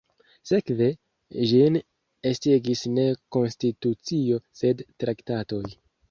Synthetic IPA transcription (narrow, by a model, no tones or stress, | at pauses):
se̞kve̞ | ʒin | esteɡisne̞ko̞nstitut͡sio̞se̞dtɾaktato̞j